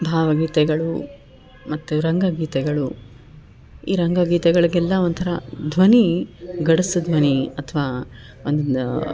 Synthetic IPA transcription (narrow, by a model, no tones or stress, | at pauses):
bʱaːʋɐɡiːt̪ɛɡɐɭu | mɐt̪ːuɾɐŋɡɐɡiːt̪ɛɡɐɭu | iːɾɐŋɡɐɡiːt̪ɛɡɐɭiɡɛlːɐʋont̪ʰɐɾɐd̪ʱʋɐniɡɐɽusud̪ʱʋɐniɐt̪ʰɐʋaː | ond̪